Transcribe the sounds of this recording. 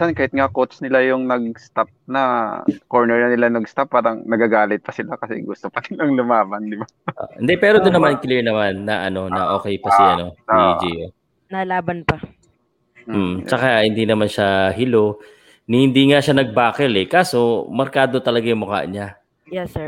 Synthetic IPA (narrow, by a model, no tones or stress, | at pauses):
sankaːhɪt̪̚ŋakot̪snɪlajʊŋnɐɡ̚st̪ap̚nɐkoɹnɛɹnɐnɪlanɐɡst̪apːaːɾɐŋnɐɡaɡaːlɪt̪̚pɐsɪlakɐsɛ̰ɡʊst̪opɐd̪ɪnɐŋlʊmaːbɐnd̪ɪba | ɪnd̪ɛpɛːɾod̪ʊnːɐmankɪliɹnɐmanːɐʔɐno̞nɐʔo̞ːkɛjpɐsɛɐ̰no̞d͡ʒio | nalaːbɐnpɐ | m̩ːt͡ʃɐkahɪnd̪inɐmanʃaɦɪlo̞ | nhhɪnd̪iːŋaʃanɐɡ̚baːkɛlɛkaːso̞mɐɾkaːd̪ot̪ɐlɐɡajʊŋmʊka̰ʔɲa | jɛsɛ